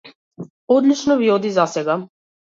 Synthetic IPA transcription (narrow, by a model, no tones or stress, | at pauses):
od̪lit͡ʃnɔviod̪izasɛɡa